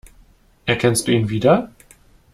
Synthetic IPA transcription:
ʔɛɐkʰɛnstd̥uːiːnviːdɐ

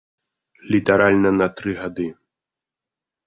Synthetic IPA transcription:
lʲit̪ɐɾalʲnɐnɐt̪ɾɨɣad̪ɨ

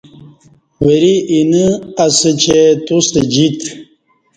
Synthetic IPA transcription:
wəɾiinəasət͡ɕʰet̪ust̪əd͡ʑit̪

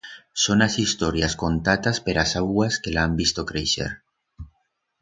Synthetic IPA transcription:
sonasist̪oɾjaskont̪at̪aspeɾasawɣwaskelambist̪okɾejʃḛɾ

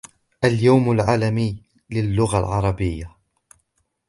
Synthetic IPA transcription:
ʔaljawmalʕaːlamiː | lɪlːʊɣalʕɑɾˤɑbɪjːa

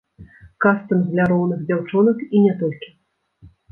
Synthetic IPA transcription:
kast̪ɨmɣlʲaɾɔwnɨɣd͡zʲawt͡ʂɔnɐkinʲɛt̪ɔlʲkʲi̥

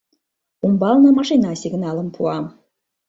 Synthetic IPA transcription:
umbɑlˠnɤ̆mɑʂinɑsʲiɡnɑlˠə̆mpʰuɑm

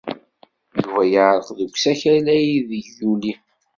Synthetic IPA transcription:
juvæjəʕɾˤəqðəɡʷsæçælæjiðəuli

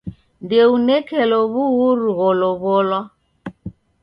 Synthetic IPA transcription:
ndɛunɛkɛlɔβuɣuɾuɣɔlɔβɔlwa

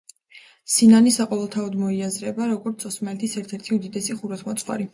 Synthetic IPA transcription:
sinanisaqʼɔvɛlˠt̪ʰaɔd̪mɔiazɾɛbaɾɔɡɔɾt̪sʰʼɔsmɛlt̪ʰisɛɾt̪ʰɛɾt̪ʰiud̪id̪ɛsiχuɾɛt̪ʰmɔt̪sʼχwa̰ɾi

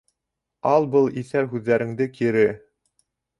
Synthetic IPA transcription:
ɑlˠbɤlˠiθæɾɦʉðːæɾɘ̆ŋd̪ɘkʰiɾɘ

